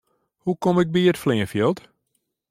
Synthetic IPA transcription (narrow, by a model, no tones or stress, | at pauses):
hukomɪk̚biətflɪːənfjəlˠt